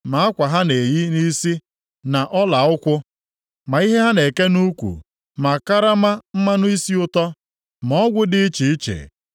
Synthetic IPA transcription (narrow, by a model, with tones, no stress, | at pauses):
ma˨˦a˦kʷa˨ɦa˦ne˨jɪ˦ni˦si˦ | na˨ʔɔ˦la˨ʊ˦kʷʊ˦ | ma˨i˦ɦe˦ɦa˦ne˨ke˦nu˦kʷṵ˨ | ma˨ka˦ɾa˦ma˦m̩˦ma˦nʊ˦i˦si˦ʊ˦tɔ˦ | mɔ˦ɡʷʊ˦dɪ˦t͡ʃi˨˦t͡ʃḛ˨